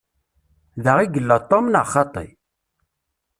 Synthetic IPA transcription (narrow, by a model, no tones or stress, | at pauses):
ðəʁiɡəlːət̪ˤːomnəʁχɑt̪ˤḭ